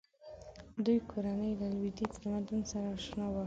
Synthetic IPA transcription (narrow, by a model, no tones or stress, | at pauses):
d̪ujkʰoɾanəjlalwid̪it͡sd̪əmad̪unsaɾaʃnawa